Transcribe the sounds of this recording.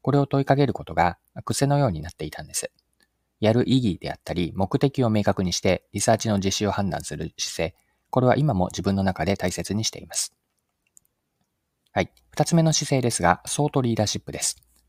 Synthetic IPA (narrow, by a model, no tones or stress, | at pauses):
ko̞ɾe̞o̞t̪o̞ikaɡe̞ɾɯ̟ko̞t̪o̞ɡa | akɯ̟se̞no̞jo̞ːɲ̟inat̪ːe̞it̪ãnd̪esɨ̥ | jaɾɯ̟ʔiɡʲid̪̥e̞̰a̰t̪ːaɾʲimo̞kɯ̟t̪e̞kʲio̞me̞ːkakɯ̟ɲ̟iɕi̥t̪e̞ɾʲisaːt͡ɕino̞ʑiɕio̞hãnd̪ã̰sɨɾɯ̟ɕi̥se̞ː | ko̞ɾe̞β̞a̰ʔimamo̞d͡ʑibɯ̃nːo̞nakad̪e̞t̪aise̞t͡sɨɲ̟iɕi̥t̪e̞̰imasɨ̥ | hai | ɸɯ̟̥t̪at͡sɨme̞no̞ɕise̞ːd̪e̞sɨɡaso̞ːt̪o̞ɾʲiːd̪aːɕipːɯ̟d̪e̞sɨ̥